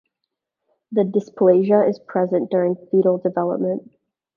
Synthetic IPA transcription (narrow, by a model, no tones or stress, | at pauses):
ðɨdɪspʰleɪʒə˞ɪz̥pʰɹ̥ɛzɨ̃nd̥ʊɹɪ̃ŋfiɾl̩ˠdɨvɛlˠə̰p̚mə̃nt̚